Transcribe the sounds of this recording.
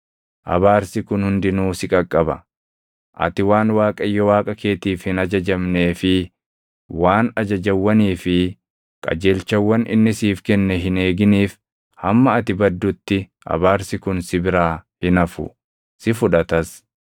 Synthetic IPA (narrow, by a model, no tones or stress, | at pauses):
ʔɐ̰βaːɾsɪkʊnhʊnd̪ɪnuːsɪkʼɐkʼːɐbɐ̰ | ʔɐ̰t̪ɪwaːnwaːkʼɐjːɔwaːkʼɐke̞ːt̪iːfhɪnɐd͡ʒɐd͡ʒɐmne̞ːfɪ | waːnɐd͡ʒɐd͡ʒɐwːɐniːfɪ | kʼɐ̰d͡ʒeːlt͡ʃɐwːɐnɪ̰nːɪsiːfkɛnːɛɦɪne̞ːɡɪniːf | hɐmːɐːt̪ɪbɐd̪ːʊt̪ːɪ | ʔɐ̰baːɾsɪkʊnsɪbɪɾaːhɪnɐfʊ̰ | sɪfʊᶑɐt̪ɐs